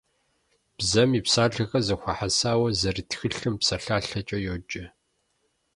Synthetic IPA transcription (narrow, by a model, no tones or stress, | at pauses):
b̥zɐmiːpsaːɮɐxɐzɐxʷaħasaːwɐzɐrɨtxɨɬɨmpsɐɬaːɬɐt͡ʃʼɐjoːd͡ʒʼɐ